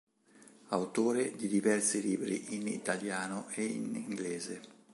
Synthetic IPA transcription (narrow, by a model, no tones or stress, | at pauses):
awt̪oːɾed̪id̪ivɛrsiliːbɾḭʔinḭt̪aljaːnʊʔeḭnḭŋɡlɛːze